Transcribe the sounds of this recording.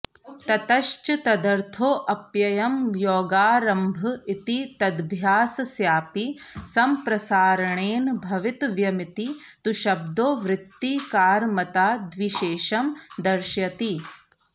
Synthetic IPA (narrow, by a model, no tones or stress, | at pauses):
t̪ɐt̪ɐʃt͡ʃɐt̪ɐd̪ɐɾt̪ʰoːʔɐpjɐjɐmjoːɡaːɾɐmbʱɐit̪it̪ɐd̪bʱjaːsɐsjaːpisɐmpɾɐsaːɾɐɳeːnbʱɐʋit̪ʋjɐmit̪it̪uʃɐb̚d̪oːʋɾɪt̪ːikaːɾmɐt̪aːd̪ʋiʃeːʃɐmd̪ɐɾʃjɐt̪i